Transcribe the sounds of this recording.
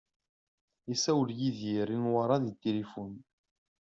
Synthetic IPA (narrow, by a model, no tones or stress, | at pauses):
isæwljiðiɾinwaɾˤɑðit̪ːelifun